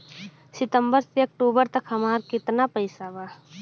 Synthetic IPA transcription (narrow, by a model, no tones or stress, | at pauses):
sɪt̪ə̃mbəɾseək̚ʈuːbəɾt̪ɐkɦɐmaːɾkɪt̪napəɪsabaː